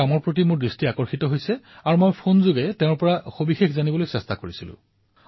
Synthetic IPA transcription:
amɔɹpɹot̬imʊɹdɹistiakɔɹxitɔɦojsɛ | aɹumojpʰonzoɡɛteʊ̃ɹpɔɹaxobixexzanibɔlojsɛstakoɹisilʊ̰̃

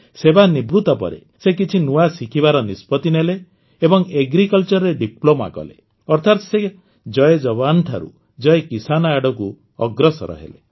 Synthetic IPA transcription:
sebanibɾut̪ɔpɔ̰ɾḛ | sekit͡ʃʰinuasikʰibaɾɔnispɔt̪inele | ebɔŋeɡɾikɔlt͡ʃɔɾɾeɖiploma̰kɔ̰lḛ | ɔɾt̪ʰat̪se | d͡ʒɔjed͡ʒɔbanʈ̪ʰa̰ɾṵ | d͡ʒɔekisanɔaɽɔku | ɔɡɾɔsɔ̰ɾɔ̰ɦḛlḛ

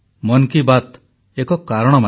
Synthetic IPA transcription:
mɔnkibat̪ | ekɔkaɾɔɽ̃ɔma

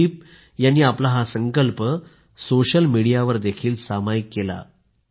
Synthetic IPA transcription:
ip̚ | janːiːaplaɦasəŋkəlpə | soɕəlmiɽijaʋəɾd̪ekʰiːlsamajkːela̰

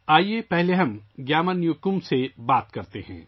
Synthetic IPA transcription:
aːiepɛɦleɦɐ̃mɡjaːmənjʊkʊmsebaːt̪kɐɾt̪eɦɛ̰̃ː

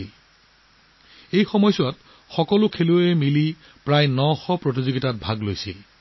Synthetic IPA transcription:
il | ejxɔmɔjsat | xɔkɔlʊkʰeluemili | pɹajnɔxɔpɹotizoɡitat̚bʱaɡlojsil

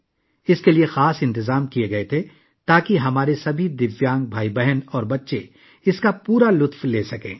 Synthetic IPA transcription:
ɪskeliexaːsɪ̃nt̪ɪzaːmkieɡɐet̪ʰe | t̪aːkiɦɐmaːɾesɐbʱid̪ɪʋjãːŋɡ̚bʱaːibɛɦɛnɔːɾbɐtːʃe | ɪskapuːɾalʊt̪fleːsɐkẽː

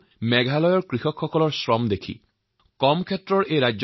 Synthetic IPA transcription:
mɛɡʱalɔjɔɹkɹixɔkxɔkɔlɔɹsɹɔmd̪ekʰḭ | kɔmkʰɛtɹɔɹejɹajz

